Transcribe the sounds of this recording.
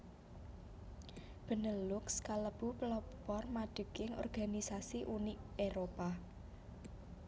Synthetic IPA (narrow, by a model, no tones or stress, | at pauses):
b̥ə̤nəlʊkskaləb̥uplɔpɔrmaɖ̥ə̤ɡ̥ɪŋɔ̰rɡ̥a̤nisasiʔuni | eɾopa